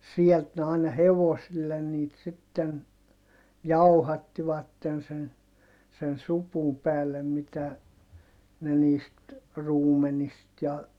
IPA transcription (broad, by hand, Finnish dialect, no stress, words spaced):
siɛlt ne ɑˑinɑ heʋosilːen niːt sitːen jɑuhɑtːiʋɑtːen sen sen supum pæːlːæ mitæ ne niːst ruːmenist jɑ